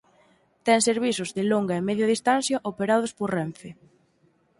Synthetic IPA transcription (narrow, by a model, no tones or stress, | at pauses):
t̪ɛŋseɾβisʊzðɪloŋɡɐemɛðjaðist̪an̟θjaʔopeɾað̞ʊspoɾrɛɱfɪ